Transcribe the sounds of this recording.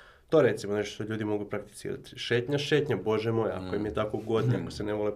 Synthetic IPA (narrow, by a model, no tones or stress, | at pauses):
t̪oɾe̞t̪simoneʃtoʃt̪oʎuːd̪imo̞ɡupɾak̚t̪i̥sḭːɾa̰t̪i̥ʃe̞ːt̪ɲaʃe̞ːt̪ɲabo̞ʒemo̞ja̰akojimjet̪akoɡo̞d̪ɲea̰koseneʋole